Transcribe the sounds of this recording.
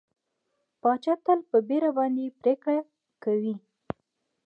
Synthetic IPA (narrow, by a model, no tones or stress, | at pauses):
pɑt͡ʃɑt̪əlpəbeɾabɑnd̪epɾekɽa | kawi